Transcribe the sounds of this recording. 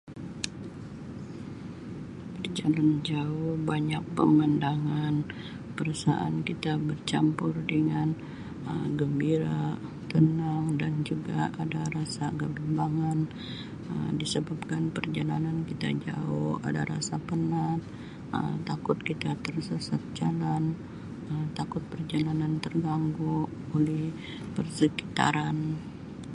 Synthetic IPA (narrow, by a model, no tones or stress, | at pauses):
bərd͡ʒaland͡ʒaʊhbaɲak̚pə̰məndaŋan | pəɾasa̰ʔankit̪abərt͡ʃampʊrdəŋan | əɡəmbiɾa | t̪ənaŋdand͡ʒuɡaʔadaɾasaɡabimbaŋan | ə̰disəbap̚kanpərd͡ʒalanankit̪a̰d͡ʒa̰ʊha̰da̰ɾa̰sapənat̪̚ | ə̰mt̪akʊt̪̚kit̪at̪ərsəsat̪̚d͡ʒalan | əmt̪akʊt̪̚pərd͡ʒalanant̪ərɡaŋɡu | olɛh | pərsəki̥t̪a̰ɾan